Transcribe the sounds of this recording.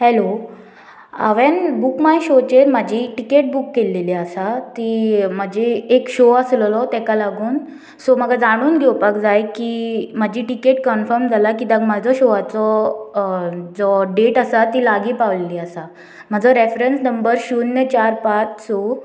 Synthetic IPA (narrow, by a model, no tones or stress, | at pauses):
hɛlo | a̰ʋɛnbukmajɕot͡ɕeɾmad͡ʑʱiʈikeʈ̚bukːeleliasat̪im̤əd͡ʑʱiekɕoasləlɔt̪ɛ̃kalaɡuːn | sɔməɡad͡zaɽ̃uːnɡʱewpakd͡zajkim̤ad͡ʑʱiːʈikeʈ̚kənfəɾmd͡zʱalakid̪əɡmad͡zɔɕoʋat͡sɔ | d͡zɔɖeʈasat̪iːlaɡiːpaʋleliasa | m̤ad͡zɔɾefɾensnəmbəɾɕuːnjət͡ɕaɾpat͡ɕsɔ